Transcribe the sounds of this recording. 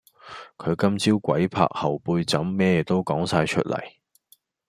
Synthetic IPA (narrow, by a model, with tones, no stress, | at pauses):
kʰɵ˨˧ɥkɐ˥mt͡siː˥wkʷɐ˨˥jpʰa̰ː˧k̚hɐ˨wpuː˧jt͡sɐ˨˥mːɛː˥ɛ˨˧t̪o˥wkɔː˨˥ŋsaː˧jt͡ʃʰɵ˥t̚lʔɐ̰˨˩j